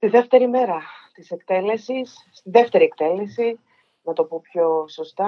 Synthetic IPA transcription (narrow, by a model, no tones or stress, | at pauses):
st̪iðe̞ft̪e̞ɾime̞ɾɐt̪ise̞kt̪ele̞sisːt̪iðeft̪e̞ɾiek̚t̪e̞le̞si | nɐt̪o̞pupço̞so̞st̪ɐ